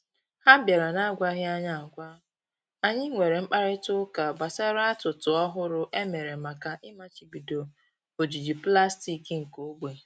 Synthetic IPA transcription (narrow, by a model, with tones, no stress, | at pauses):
ha˦bja˨ɾa˨na˦ɡʷa˦ɦɪ˦a˦ɲa˦a˨ɡʷa˦ | a˨ɲɪ˦ŋʷe˨ɾe˨ŋ͡m̩˦k͡pa˦ɾɪ˦tʊ˦ka˨ba˨sa˦ɾa˦tʊ˨tʊ˨ɔ˦ɦʊ˦ɾʊ˦ʔe˦me˨ɾe˨ma˨ka˨ʔɪ˦ma˨t͡ʃi˨bi˨do˨ | o˨d͡ʒi˨d͡ʒi˨pla˦sti˨ki˦ŋ̩˨ko˦ɡ͡be˨